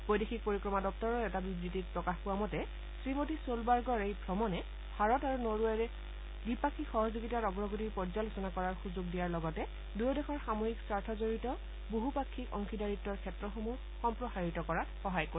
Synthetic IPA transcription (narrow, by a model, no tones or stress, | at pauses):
bojdexʰik̚poɹikɹɔmadɔp̚tɔɹɔɛtabibɹitit̚pɹɔkaxpʊwamɔtɛ | sɹimotisolbaɹɡɔɹejbʱɹɔmɔnɛ | bʱaɹɔtaɹunoɹuaɹɛ | dipakʰixɔɦɔzuɡitaɹɔɡɹɔɡotipɔɹzalusɔnakɔɹaɹxuzoɡ̚dijaɹlɔɡɔtɛ | dujodɛxʰɔɹxamoɦiksaɹtʰɔzoɹitɔ | boɦupakʰːikɔŋkʰidaɹitːɔɹkʰɛtɹɔxomu | xɔmpɹɔxaɹitɔkɔɹatxɔɦajko